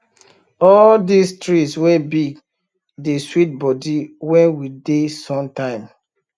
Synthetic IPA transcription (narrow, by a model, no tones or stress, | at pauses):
ɔldistɹiswɛbiɡ | deswit̚bɔdiwɛ̃nwidesɔ̃mtãɪ̃m